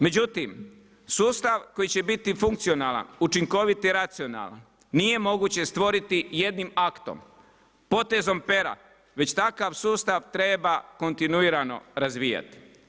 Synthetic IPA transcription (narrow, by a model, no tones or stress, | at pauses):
me̞d͡ʑut̪im | suːst̪aʋko̞jit͡ɕe̞bit̪ifuŋkt̪sio̞naːla̰nut͡ʃiŋko̞ʋit̪iɾat̪sio̞na̰la̰nː | ije̞mo̞ɡut͡ɕe̞st̪ʋo̞ɾit̪ije̞d̪nimakt̪o̰m | po̞t̪e̞zo̞mpe̞ɾa̰ | ʋe̞t͡ɕt̪akaʋsuːst̪aʋt̪ɾe̞bako̞nt̪inuiːɾano̞̰ɾazʋija̰t̪i̥